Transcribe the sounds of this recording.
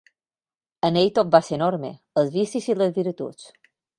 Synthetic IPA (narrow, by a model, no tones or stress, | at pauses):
ənejt̪op̪̚basenɔɾmḛ | əzβisisiləzβiɾt̪ṵt͡s